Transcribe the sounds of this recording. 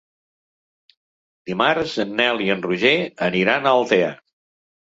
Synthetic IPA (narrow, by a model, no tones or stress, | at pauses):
d̪̥imaɾzənːɛlˠiənruʒeəniɾanəlˠt̪eə̰